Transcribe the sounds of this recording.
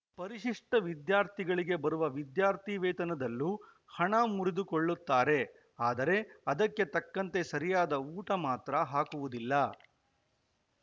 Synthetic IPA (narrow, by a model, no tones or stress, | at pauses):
pɐɾiʃiʂʈɐʋid̪jaːɾt̪ʰiɡɐɭiɡe̞bɐɾuʋɐʋid̪jaːɾt̪ʰiʋɛːt̪ɐnɐd̪ɐlːu | hɐɳɐmuɾid̪ukoɭːut̪ːaːɾe̞ | aːd̪ɐɾe̞ɐd̪ɐkːe̞t̪ɐkːɐnt̪e̞sɐɾijaːd̪ɐuːʈɐmaːt̪ɾɐɦaːkuʋud̪ilːɐ